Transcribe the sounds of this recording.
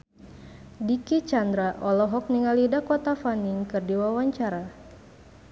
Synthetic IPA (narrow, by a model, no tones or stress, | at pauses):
dikit͡ʃand̪ɾaʔɔlɔɦɔk̚niŋalidakɔt̪afaniŋkɨrdiwawaɲt͡ʃaɾa